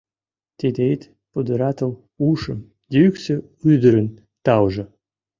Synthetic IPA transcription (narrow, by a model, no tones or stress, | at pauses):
t̪ed̪ejt̪ | pod̪əɾɑt̪əl | uʃə̆m | d̪ʲeykse | yd̪ə̆ɾə̆n | t̪ɑwʒɤ̆